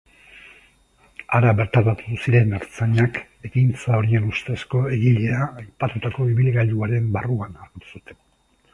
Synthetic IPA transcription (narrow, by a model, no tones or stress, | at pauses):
aɾaβe̞ɾt̪aβat̪uðusiɾe̞naɾt͡saɲak | e̞kint͡sao̞ɾie̞nust̪e̞sko̞e̞ɣiʎe̞aːjpat̪ut̪ako̞iβilɣaʎuaɾe̞mbaruanaɾɣit̪u̥sut̪ʰe̞̥n